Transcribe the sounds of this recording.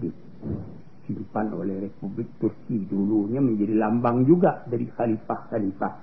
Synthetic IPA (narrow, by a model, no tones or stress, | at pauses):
di | fidupano̰lɛhrepublɪk̚t̪urkiduluɲaməɲd͡ʒadilambaŋd͡ʒuɡaʔdaɾixalifahxalifah